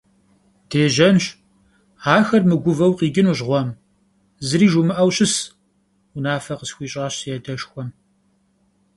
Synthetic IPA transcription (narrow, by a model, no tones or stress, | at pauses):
d̥eːʒɐnɕ | aːxɐrmɨɡʷʊvɐwqiːɡʲɪnuʒʁʷɔm | zɨɾiːʒumɨʔɐwɕɪs | ʊnaːfɐqəsxʷiːɕʼaːɕsjɛdɐʃxʷɔm